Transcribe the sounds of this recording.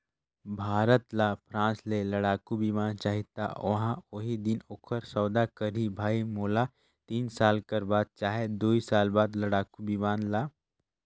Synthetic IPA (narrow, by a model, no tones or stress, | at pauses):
bʱaːɾət̪lapʰɾãːslelɐɽaːkubʱimãːnt͡ʃaːɦit̪a̰ʋɐɦãoɦid̪ɪnoːkʰəɾsɔːwd̪akəɾibʱaːimoːla | t̪iːnsaːlkəɾbaːd̪̚t͡ʃaːɦed̪oːisaːlbaːd̪lɐɽaːkubʱimaːnla